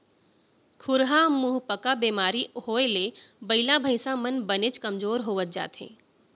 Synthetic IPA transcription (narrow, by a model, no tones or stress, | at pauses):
kʰʊɾɦamʊɦpəkabeːmaːɾihoːelebɐɪlabʱəɪsamənbənet͡ʃkɐmzoːɾɦoːʋət̪̚d͡ʒa̰ːt̪ɦḛ̃ː